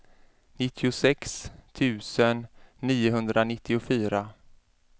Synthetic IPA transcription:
nɪt̪ʰːɪʊsɛkst̪ʰʉ̟ːsənːiːʊɦɵnd̪ɾanɪt̪ʰːɪʊfyːɾa

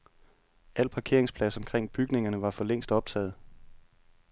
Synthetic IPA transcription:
æl̰pʰɑ̈kʰe̝̰ɐ̰e̝ŋspʰlæsɒ̽mkʰʁeŋ̰b̥yɡ̥ne̝ŋɐnəʋɑ̈fɒ̽leŋ̰sd̥ɒ̽b̥̚t͡sʰɛ̰ːð̞̩ˠ

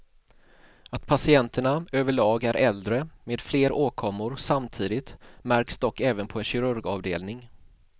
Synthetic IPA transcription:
at̪̚pʰasɪɛnt̪əɳaøːvəɭɑːɡæɾʔɛld̪ɾəmeːd̪fleːɾoːkʰɔmːʊɾsamt̪ʰiːd̪ɪt̪mæɾksd̪ɔkːɛːvənpʰɔɛnɕɪɾɵɾɡɑːvd̪ḛːlnɪŋ

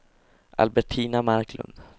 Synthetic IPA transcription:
ʔa̰lbɛʈʰiːnamaɾklɵ̰nd̪

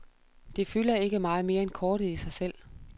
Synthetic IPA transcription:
d̥e̝fylɐe̝ɡ̥əmɑ̈ːð̞̩ˠme̝ːɐenkʰɒːɾ̥əð̩ˠisɑ̈ɪsel̰

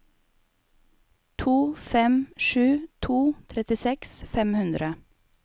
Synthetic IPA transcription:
t̪ʰuːfɛmʃʉːt̪ʰuːt̪ʰɾɛt̪ɪsɛksfɛmhʉnd̪ɾə

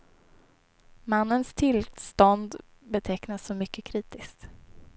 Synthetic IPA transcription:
manːənst̪ʰɪlst̪ɔnd̪ | bɛt̪ʰɛknasːɔmʏkːəkʰɾiːt̪ɪskt̪

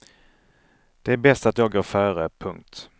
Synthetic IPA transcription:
d̪̥ɛæɾbɛst̪at̪jɑːɡoːɾfœːɾəpʰɵŋk̚t̪

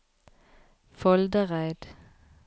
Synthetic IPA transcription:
fɔld̪əʁæɪd̪̥

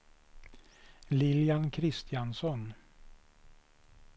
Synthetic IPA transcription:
lɪljankʰɾɪst̪ɪansɔn

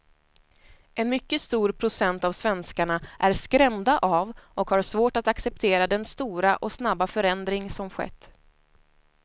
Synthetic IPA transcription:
ʔɛnmʏkːəst̪uːɾpʰɾʊsɛnt̪avsvɛnskaɳaʔæɾskɾɛmd̪aʔavʔɔkhaɾsvoːʈat̪aksɛp̚t̪ʰeːɾad̪ɛnst̪uːɾaʔɔsnabːafœɾɛnd̪ɾɪŋsɔmɧɛ̰t̪ː

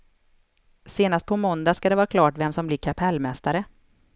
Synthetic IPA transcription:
seːnast̪pʰɔmɔnd̪askad̪ɛvɑːɾakʰlɑːʈvɛmsɔmblɪɾkʰapʰɛlːmɛst̪aɾə

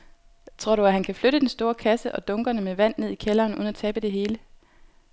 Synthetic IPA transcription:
t͡sʰʁo̝ɐ̰ɾuæɦænkʰæfløɾəd̥ensd̥o̝ːɐkʰæsəʔɒ̽d̥ɔ̽ŋɡ̥ɐnəmeʋæn̰ːe̝ð̞̰ˠikʰelɐːnṵðˠn̩æt͡sʰɛːb̥əd̥e̝ɦe̝ːlə

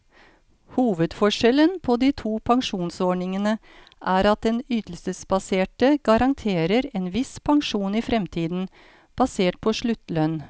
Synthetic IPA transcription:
huːʋəd̪fɔʂɛlənpʰoːd̪iːt̪ʰuːpʰɑŋʂuːnsɔɳɪŋənə | ʔæːɾɑt̪̚d̪ɛnyːt̪l̩səsbɑseːʈəɡ̥ɑɾʔɑŋt̪ʰeːɾəɾeːnʋɪspʰɑŋʂuːniːfɾɛmt̪ʰiːd̪n̩ | b̥ɑseːʈ̚pʰɔːʂɭʉt̪ːlœn

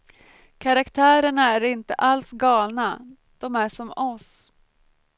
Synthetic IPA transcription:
kʰaɾakt̪ʰæːɾəɳaæɾɪnt̪ə̰ʔalsɡɑːlna | d̪̥ɔmæʂɔmɔs

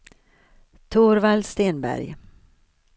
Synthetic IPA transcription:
t̪ʰuːɾvalst̪eːnbæ̰ɾj

